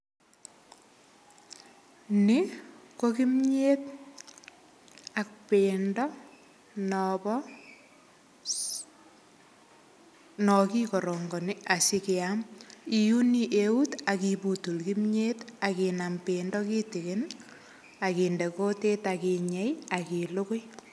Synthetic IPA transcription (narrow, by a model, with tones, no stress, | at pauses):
ni˦kokimɲe˦t̚ | ak̚pendɔ˦ | nɔbɔ | nɔ˨kikɔ˨ɾɔ˨ŋɡɔ˨ni˦a˨si˦kɪ˨amiju˦niʔeu˦takiputu˨lki˦mɲe˦taki˨na˨mpendɔ˦ki˦tɪ˨kɪ˦n | a˨ki˨nde˨ko˦te˦taki˨ɲɛ˦jaki˨lo˦kʊ˦j